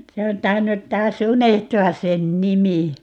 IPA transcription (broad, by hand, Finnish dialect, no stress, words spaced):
se on tɑinːut tɑːs unehtuɑs̆ sen nimi